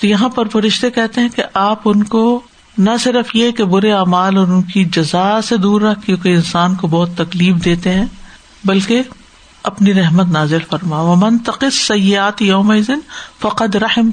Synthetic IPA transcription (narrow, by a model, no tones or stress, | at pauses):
t̪ojɐɦãpɐɾfɐɾɪʃt̪ekɛɦt̪eɦɛ̃keʔaːpʊnko | nɐsɪɾəfjekebʊɾeaːmaːlɔːɾʊnkid͡ʒɐzased̪uːɾːɐkjõːkeɪnsaːnkobɔːt̪ːɐkliːfd̪eːt̪eɦɛ̃ː | bɐlke | ɐpniɾɛɦmət̪naːzɪlfɐɾmaʋɐmɐ̃nt̪ɐqɪssɐjːɪaːt̪jɐːmɐɪzɪnfɐqɐd̪ɾɐħɪm